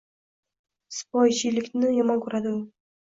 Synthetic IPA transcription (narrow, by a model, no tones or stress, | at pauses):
spɒjʃilɪkʲnɪjɒmɑnkʲʰɵɾad̪ɪʊ